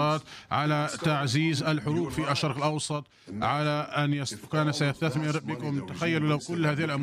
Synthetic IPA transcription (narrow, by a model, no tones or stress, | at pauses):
ɑːt̪ʕalat̪aʕziːzʔalħʊɾuːbfiaʃːɑɾˤqɪlʔɑwsˤɑt̪ˤ | ʕalaʔanjaskaːnasajast̪aθmɪɾbɪkʊmt̪axajːalulawkʊlːhaːðihlʔam